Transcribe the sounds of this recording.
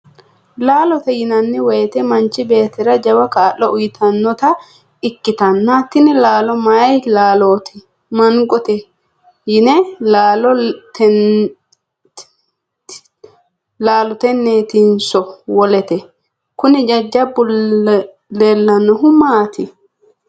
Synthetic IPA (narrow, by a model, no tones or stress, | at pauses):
laːlɔt̪ɛjɪnɐnːɪwɛjt̪ɛmɐnt͡ʃɪbe̞ːt̪ɪɾɐd͡ʒɐwɐkaːʔɔʔʊjɪt̪ʰɐnːɔt̪ɐ | ɪkːɪt̪ɐnːat̪ːɪnɪlaːlɔmajlaːloːt̪ɪ | mɐŋɡʼɔt̪ɛ | jɪnɛlaːlɔt̪ | laːlɔt̪ɛnːeːt̪insɔwɔlɛt̪ɛ | kʊnɪd͡ʒɐd͡ʒːɐbːʊl | leːlːɐnːɔɦʊmaːt̪ɪ